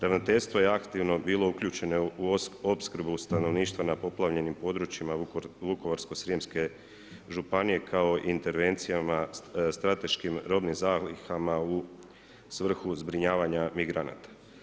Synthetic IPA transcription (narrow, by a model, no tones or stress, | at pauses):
ɾaʋnot̪e̞ʎst̪ʋo̞je̞akt̪iʋno̞biːlˠo̞ukʎuːt͡ʃe̞no̞uopskr̩bust̪ano̞ʋniːʃt̪ʋanapo̞plˠaʋʎe̞nimpo̞ːd̪ɾut͡ʃimaʋuko̞ʋaɾsko̞sɾijemske̞ | ʒupanije̞kʰao̞ʔint̪e̞ɾʋe̞nt̪sijamast̪ɾat̪e̞ʃkimɾo̞bnimzaːxlixamau | sʋr̩xuzbɾiɲaːʋaɲamiɡɾana̰t̪ḁ